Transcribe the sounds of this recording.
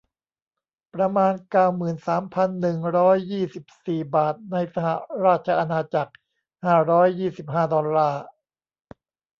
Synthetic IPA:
pɾa˧maː˧nkaː˥˩wmɯː˨˩nsaː˩˦mpʰa˧nːɯ˨˩ŋɾɔː˦˥jːiː˥˩si˨˩p̚siː˨˩baː˨˩t̪̚na˧jsa˧ha˨˩ɾaː˥˩t̪̚t͡ɕʰa˧ʔa˧naː˧t͡ɕa˨˩k̚ | haː˥˩ɾɔː˦˥jːiː˥˩si˨˩p̚haː˥˩dɔ˧lːaː˥˩

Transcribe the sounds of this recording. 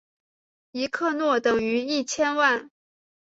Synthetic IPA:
i˧˥kʰɤ˥˧nwɔ˥˩t̪ɤ˨˩ŋy˧˥i˥˩t͡ɕʰjɛ˥nwa˥˩n

